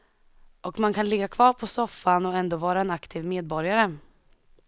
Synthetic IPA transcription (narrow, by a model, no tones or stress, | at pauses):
ʔɔkmankʰanlɪɡːakʰvɑːɾpʰɔsɔfːanɔɛnd̪oːvɑːɾaɛnakt̪ʰiːvmeːd̪̚bɔɾjaɾə